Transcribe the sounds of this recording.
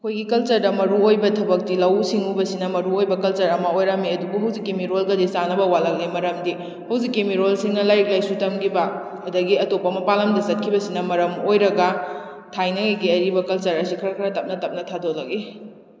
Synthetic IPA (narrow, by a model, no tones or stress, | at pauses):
ɐkʰojɡikɐlt͡ʃɐɾdɐmɐɾuojbɐtʰɐbɐk̚tilɐwsiŋubɐsinɐmɐɾuojbɐkɐlt͡ʃɐɾɐmɐojɾamiɐdubuɦɐwzikːimiɾolɡɐdisanɐbɐwalɐk̚limɐɾɐmdi | hɐwzikːimiɾolsiŋnɐlajk̚lajsutɐmɡibɐ | ɐdɐɡiɐtopːɐmɐpalɐmdɐsɐt̚kʰibɐsinɐmɐɾɐmojɾɐɡɐ | tʰajnɐŋiɡiɐɾibɐkɐlt͡ʃɐɾɐsikʰɐɾɐkʰɐɾɐtɐp̚nɐtɐp̚nɐtʰadolɐɡi